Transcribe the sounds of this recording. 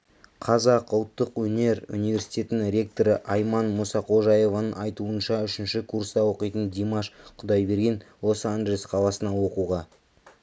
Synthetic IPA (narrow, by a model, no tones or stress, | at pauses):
qʰɑzɑqəlˠt̪ːəqwɵne̞ɾṵnijvʲe̞ɾsi̥jt̪ʲe̞t̪ɪnɪŋɾʲe̞k̚t̪o̞ɾəʔɑjmɑnmʊsɑqʰo̞ʒɑje̞vɑnəɴɑjt̪uənʃɑʏʃɪnʃɪkʰursd̪ɑwo̞qijt̪ənd̪imɑʃqʰʊd̪ɑjbe̞ɾɡʲe̞nwo̞səanʒelʲesqʰɑlˠɑsənɑwo̞quʁɑ